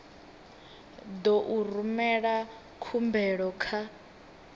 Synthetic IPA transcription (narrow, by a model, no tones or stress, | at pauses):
d̪ɔʔurumɛɺa | kʰumbɛɺɔkʰa